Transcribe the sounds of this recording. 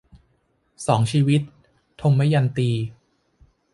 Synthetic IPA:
sɔː˩˦ŋt͡ɕʰiː˧wi˦˥t̪ʰː | o˧ŋma˦˥˩ja˧nt̪iː˧

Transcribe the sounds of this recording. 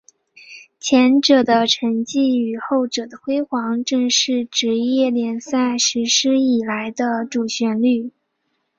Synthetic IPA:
t͡ɕʰjɛ˧˥nʈ͡ʂɤ˨˩d̪ə˦ʈ͡ʂʰə˧˥ŋt͡ɕi˥˩y˨˩xo˥˩ʊʈ͡ʂɤ˨˩d̪ə˦xwe˥ɪxwɑ˧˥ŋʈ͡ʂɤ˥˧ŋʂɻ̩˥˩ʈ͡ʂɻ̩˧˥jɛ˥˩ljɛ˧˥nsa˥˩ɪʂɻ̩˧˥ʂɻ̩˥i˨˩la˧˥ɪd̪ə˧ʈ͡ʂu˨˩ɕɥɛ˧˥nly˥˩

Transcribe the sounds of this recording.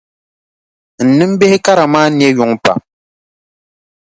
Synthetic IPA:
n̩˨nɨ˦m˦be˦hɪ˦ka˦ɾa˨maː˦njɛ˦ju˨˦ŋpa̰˨m

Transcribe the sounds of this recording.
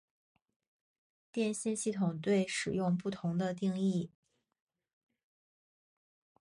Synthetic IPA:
t̪jɛ˥˧nɕi˥˧nɕi˥˩t̪ʰʊ˨˩ŋt̪we˥˩ɪʂɻ̩˨˩jʊ˥˧ŋpu˥˩t̪ʰʊ˧˥ŋd̪ə˧t̪̬i˥˧ŋi˥˩

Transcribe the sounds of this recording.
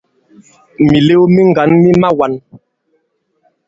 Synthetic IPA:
mi˨le˦wmi˦ŋ˨ɡa˨˦nmi˦ma˦wa˨˦n

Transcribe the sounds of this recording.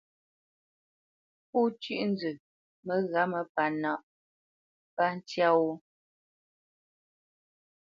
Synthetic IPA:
pu˦t͡ʃi˦ʔn̩˦d͡zʉ˨ | mə˨ɣa˨˦mə˨pa˨na˨ʔ | pa˦n̩˦tja˦wu˦

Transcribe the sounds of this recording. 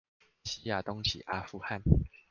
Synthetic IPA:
ɕi˦˥ja˨˩t̪ɔ˦ŋt͡ɕʰḭ˨ʔa˦fu˥˧ha˥˨n

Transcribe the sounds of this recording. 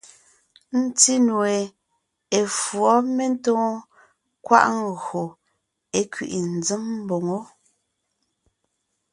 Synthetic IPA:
n̩˦ti˦nu˨e˨ | e˨fwɔ˨˦me˦n̩˦tɔ̃ː˦ | kwa̰˦ʔŋ̩˨ɣo˨ | e˦kɥḭ˨ʔi˨n̩˨d͡zɨ˦mm̩˦bo˨ŋo˦

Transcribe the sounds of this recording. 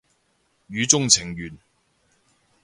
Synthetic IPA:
jyː˨˧t͡sʊ˥ŋt͡sʰɪ˨˩ŋɥyː˨˩n

